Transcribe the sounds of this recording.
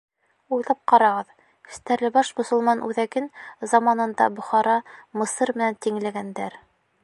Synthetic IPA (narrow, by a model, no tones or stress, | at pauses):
ujlˠɑp̚qɑɾɑʁɤð | kɵ̥̆st̪æɾlɘbɑʃmŏsŏlˠmɑnʉðækɘnzɑmɑnɤ̆nd̪ɑ̰bŏχɑɾɑmɤ̆sɤɾmɘ̆nænt̪iŋlæɡænd̪æɾ